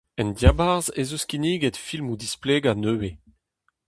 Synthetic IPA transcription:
ɛndjabaʁzezuskiniːɡɛtfilmud̪ispleːɡanøːwe

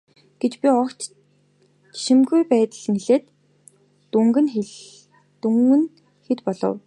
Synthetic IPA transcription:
ɡ̥et͡ɕpʲiɔkt͡ɕ | ʃĭmɡujpæːt̪ə̆ɮniɮeːt̪ː | uŋɡɘ̆nx | t̪uŋɘ̆n | xet̪pɔɮɞ̰̆w

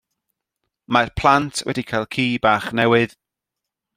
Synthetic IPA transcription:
marpʰl̥ˠantʰwɛ̰dikʰajlˠkʰiːbaːχnɛwɨð

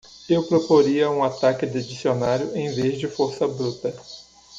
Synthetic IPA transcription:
ewpɾopoɾiɐũat̪akɪd̪ɪd͡ʒisionaɾjʊẽj̃vezd͡ʒɪfoɾsɐbɾut̪ɐ

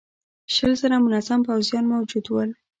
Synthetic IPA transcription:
ʃəlzəɾamʊnazampawzijɑnmawd͡ʒud̪wəl

